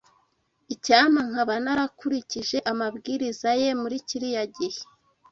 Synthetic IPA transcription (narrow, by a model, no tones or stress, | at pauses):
icaːm̥aŋ̥haβanaɾakuɾiciʒe̞ʔamabɡiːɾizaje̞muɾiciɾijaɟehe